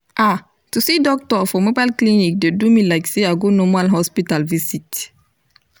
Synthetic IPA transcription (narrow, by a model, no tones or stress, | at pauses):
ʔa | tusidɔk̚tɔfɔmobalklinik̚dedumilajkseaɡonɔmalɦɔspitalvisit